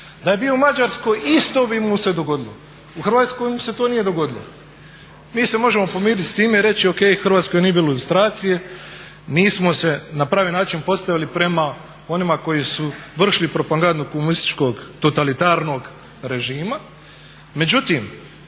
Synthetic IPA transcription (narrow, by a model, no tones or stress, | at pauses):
d̪aje̞bioumad͡ʒaɾsko̞jist̪o̞bimuse̞d̪o̞ɡo̞d̪ilo̰ | uxrʋaːt̪sko̞jmuse̞t̪oːnije̞d̪o̞ɡo̞d̪ilo̰ | miːse̞mo̞ʒe̞mo̞po̞miːd̪it̪st̪iːmeiɾe̞t͡ɕio̞ke̞ːjxr̩ʋaːt̪skoje̞nie̞biːloilust̪ɾaːt̪sije̞ | niːsmo̞se̞napɾaːʋiːnaːt͡ʃinpo̞st̪aʋilipɾe̞ma | o̞nimako̞jisuʋr̩ʃlipɾo̞paŋɡand̪ukomunist̪i̥t͡ʃko̞ɡt̪o̞t̪alit̪aːɾno̞ɡ | ɾe̞ʒiːma | me̞d͡ʑut̪im